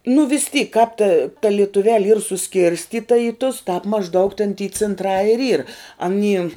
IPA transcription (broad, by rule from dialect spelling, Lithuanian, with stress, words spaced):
nʊ ʋʲɪs tʲiːk kɑːp tɐ tɐ lʲiɛtʊˈʋʲæːlʲɪ iːr sʊˈsʲkʲɪrʲsʲtʲiːtɐ iː tʊs tɑːp mɐʒˈdɐʊk tʲɛn tʲiː t͡sʲɪntˈrɑː ɪr iːr ɐˈnʲiː